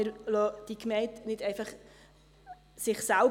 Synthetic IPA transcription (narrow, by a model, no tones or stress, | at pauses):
ɪɾlɔd̥ikmɛɪntnɪdɛɪfɑχ | sɪχsɛl